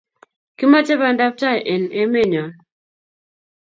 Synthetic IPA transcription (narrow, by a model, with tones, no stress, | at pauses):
kɪ˦ma˦t͡ʃe˦βa˦nda˦p̚ta˦˨ʔe˨ne˦me˦ɲɔ˨